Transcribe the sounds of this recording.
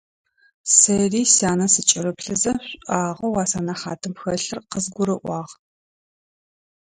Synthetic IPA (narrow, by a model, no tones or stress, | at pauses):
sɐriːsaːnɐsɨt͡ʃʼɪɾɨpɬɨzɐɕʷʼaːʁɐwaːsaːnɐχaːtʰɨmpxɐɬɨrqəzɡʷʊɾɨʔʷɑːʁ